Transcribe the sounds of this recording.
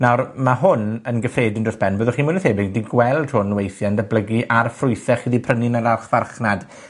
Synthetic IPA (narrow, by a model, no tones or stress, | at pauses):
nawrmaɦʊnənɡəfreːdɪndrɔsb̥ɛnboːðɔχiːmənəθhebɪɡ̚diɡwɛlˠd̥hʊnwejθjandəbləɡiʔarfrʊjθɛχiːðipʰrənɪnaɾarχvarχnad̥